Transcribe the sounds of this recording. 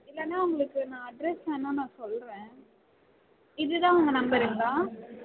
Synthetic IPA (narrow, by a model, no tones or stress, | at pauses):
ɪlːɛnːaːʊŋɡɐɭɯkːɯnãːɐɖɾɛsɛnːãːnãːsɔlɾẽː | ɪðɯt̪ãːʊŋɡɐnɐmbɐɾɪnd̪ãː